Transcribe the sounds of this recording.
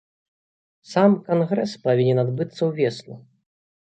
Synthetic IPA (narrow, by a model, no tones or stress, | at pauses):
samkanɣɾɛspavʲinʲɛnad̪bɨt̪sːɐwvʲɛsnu